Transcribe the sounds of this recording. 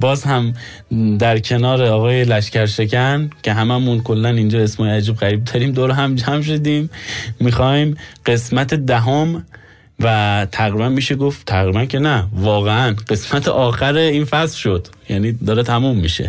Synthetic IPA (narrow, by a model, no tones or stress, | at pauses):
bɒːzhæm | d̪æɾkʰe̞nɒːɾeɒːɣɒːje̞læʃcæɾʃe̞kʰæncʰʲe̞ɦæmæmunkʰo̞lːænind͡ʒɒːe̞smɒːjeæd͡ʒiːbɣæɾiːb̚d̪ɒːɾiːmd̪oɾɦæmd͡ʒæmʃ̬od̪iːmːixɒːimɢ̥e̞smæt̪ʰed̪æɦom | væt̪ʰæɣɾibænmiːʃeɡo̞ft̪ʰæɣɾiːbæncʰe̞nævɒːɣeænɢe̞smæt̪ʰḛʔɒːxæɾeiːnfæslʃo̞d̪̥ | jæniːd̪ɒːɾet̪ʰæmumːiʃḛ